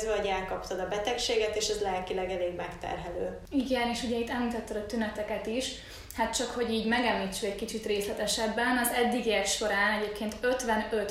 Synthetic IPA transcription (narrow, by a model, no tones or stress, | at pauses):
zɒoɟɛlkɒpt̪ɒd̪ɒbɛt̪ɛkʃeːɡɛt̪eːʃɛzlɛlkilɛɡɛleːɡmɛkt̪ɛ̰rɦɛløː | iɡɛneːʃuɟɛit̪ːɛmmiːt̪ɒt̪ːɒd̪ɒt̪ynɛt̪ɛkɛt̪iʃ | hat̪̚t͡ʃɒkho̞ɟiːɟmɛɡɛmlit͡ʃːyɛckit͡ʃit̪reːslɛt̪ɛʃɛbːɛnɒzɛd̪ːiɡiɛkʃo̞ɾaːnɛɟeːp̚keːnt̪ø̞t̪ʋɛnøt̪